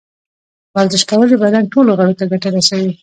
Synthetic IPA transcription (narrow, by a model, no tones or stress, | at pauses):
bazzɪʃkawəlebad̪ɑnʈoloɣaɽot̪aɡaʈaɾasawi